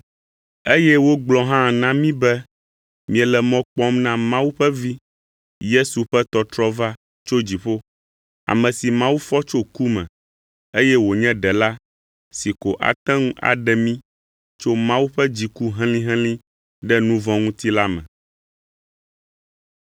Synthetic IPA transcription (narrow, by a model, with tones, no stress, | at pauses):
e˦jɛ˦wo˦ɡ͡blɔ˦ɦã˦˨nã˦mĩ˦bɛ˦ | mĩ˨ɛ˨lɛ˨mɔ̃˦k͡pɔ˦mnã˦mã˦wu˦ɸɛ˦vi˦ | je˦su˨ɸɛ˦t̪ɔ˨t̪ɾɔ˦va˦ | t͡ʃo˦d͡ʑi˨ɸo˦ | a̰˨mɛ̃˨si˨mã˦wu˦fɔ˦t͡ʃo˦ku˦mɛ̰̃˨ | e˦jɛ˦wo˨ɲɛ̃˦ɖɛ˨la˦ | si˨ko˨ʔa̰˨t̪ɛ̃˦ŋũ˦ʔa̰˨ɖɛ˨mĩ˦ | t͡ʃo˦mã˦wu˦ɸɛ˦d͡ʑi˨ku˦ɦɛ̃˦lĩ˦ɦɛ̃˦lĩ˦ | ɖɛ˦nũ˦vɔ̃˦ŋũ˦t̪i˦la˦mɛ̰̃˨